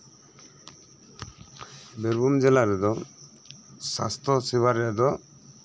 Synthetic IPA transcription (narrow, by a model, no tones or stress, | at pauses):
beɾbʱumd͡ʒɛlaɾɛd̪ɔ | sa̰st̪ʰɔsibaɾɛad̪ɔ